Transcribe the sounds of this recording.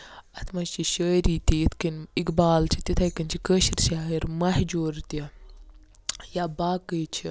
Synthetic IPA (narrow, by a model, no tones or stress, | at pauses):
ɐt̪ʰmɐst͡ʃiʃəːɾiːt̪iit̪ʰkinikbaːlt͡ʃʰit̪it̪ʰɐkɐnt͡ʃʰikəːʃiɾʃaːiɾmɐɦd͡ʒoːɾt̪ɐ | jabaːkəːt͡ʃʰi